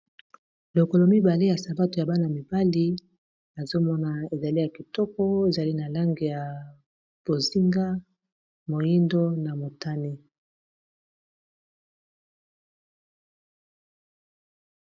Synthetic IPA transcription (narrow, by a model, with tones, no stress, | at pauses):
lo˨ko˨lo˨mi˦ba˨le˦ja˨sa˨ba˦to˨ja˨ba˦na˨mi˨ba˦li˦ | na˨zo˦mɔ˦na˨e˨za˨li˦ja˨ki˨tɔ˦kɔ˦e˨za˨li˦na˨la˦ŋɡe˨ja˨ | b̥o˨zi˦ŋɡa˦ | mo˨ji˦ndo˦na˨mo˨ta˦ne˦